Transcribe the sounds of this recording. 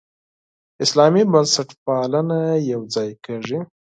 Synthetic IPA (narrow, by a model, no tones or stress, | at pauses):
ɪslɑmibansaʈpɑlanajawd͡zɑjkaʐi